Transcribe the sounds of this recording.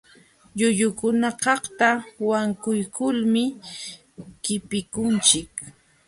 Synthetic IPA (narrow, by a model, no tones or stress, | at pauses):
ʎʊʎʊkʊnakɑχt̪awaŋkʊjkʊlmɪ | kɪpɪkʊnt͡ʃɪk